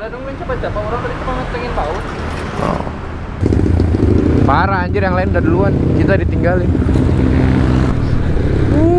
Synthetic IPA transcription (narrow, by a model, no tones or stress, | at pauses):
ladɔŋuint͡ʃabad͡ʒapaoɾaŋbadisəmaŋat̪̚pɛŋɪnt̪aʊt̪ | ɔ̰ | paɾaːɲd͡ʒʊrjaŋlaɪnudadiluankit̪adit̪iŋɡalɪn | u